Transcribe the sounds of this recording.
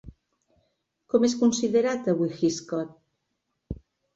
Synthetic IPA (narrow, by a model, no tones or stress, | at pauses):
kɔmeskunsiðeɾat̪əβuxiskɔt̪̚